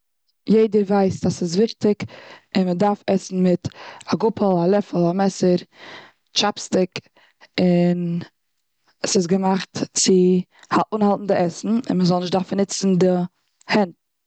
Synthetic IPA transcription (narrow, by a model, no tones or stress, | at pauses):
jeɪdəɾvaɪsasɪs̬vɪχtɪkɪnmədaɾfɛsn̩mɪtaɡʊpəlˠalˠɛfəl̩ˠamɛsəɾ | t͡ʃapstɪk | ɪn | sɪs̬ɡəmaχtt͡sɪ | haʔunhalˠtn̩dɪɛsn̩ɪ̰nməzɔlˠnɪʃdaɾfnɪt͡sn̩dɪ | hɛnt̚